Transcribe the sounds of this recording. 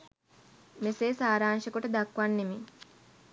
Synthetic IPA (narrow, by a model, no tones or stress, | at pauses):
meseːsaːɾaːnʃəkuʈəd̪akʋanːemi